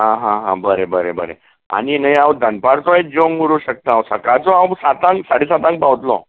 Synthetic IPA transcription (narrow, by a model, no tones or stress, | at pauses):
ɦãɦãɦã̰bəɾebəɾebəɾḛ | a̰ɽ̃inəjãwd̪ʱənpaɾt͡s̪ɔed͡ʑoŋɡuɾuɕək̚t̪ããwsəkat͡sɔãwsat̪ãŋksaɽisat̪ãŋk̚pawt̪lɔ̰